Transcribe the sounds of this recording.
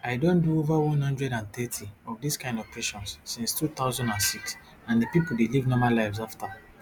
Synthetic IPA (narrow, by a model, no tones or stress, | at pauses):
aɪdõnduovawɔ̃nhɔ̃ndɹɛdãnθɛtʰiɔvdiskãɪ̃ndɔv̥pʰeʃɔ̃nsːĩnstʰut̪aʊzɔ̃ndãnsiks | ãndepipoldelivnɔmalaɪvzafta